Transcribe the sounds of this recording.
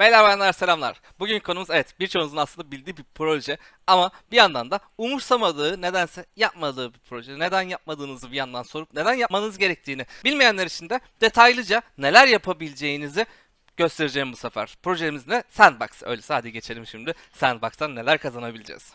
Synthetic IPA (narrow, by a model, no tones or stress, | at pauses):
mejlʲæɾvajanlˠaɾse̞lʲamlˠaɾ̥ | buɟynckʰonumuzevɛt̪biɾt͡ʃʰonzɯnasˠɯnd̪abilʲd̪iːbipʰɾolʲoʒɛ | amabijand̪and̪a | umuɾsamad̪ɯːne̞d̪ænsɛjap̚mad̪ɯːbipʰɾo̞ʒɛne̞d̪ænjap̚mad̪ɯːnɯzɯbijand̪anso̞ɾupne̞d̪ænjapmanɯzɯɟe̞ɾɛc̚t̪ʰiːnibilʲmejænlʲeɾit͡ʃʰind̪ɛd̪̥e̞t̪ʰajlˠɯd͡ʒane̞lʲæɾjapʰabilʲd͡ʒe̞jinizi | ɟ̥ø̞st̪ʰe̞ɾid͡ʒeimbusafæ̰ɾ̥pɾo̞ʒelimiznɛsænbaksɯø̞jlʲɛsaːd̪iɟet͡ʃʰe̞lʲimʃimd̪ɪ | sænbak̚t̪ʰanːe̞lʲæɾkʰazanabilʲd͡ʒɛ̰z̥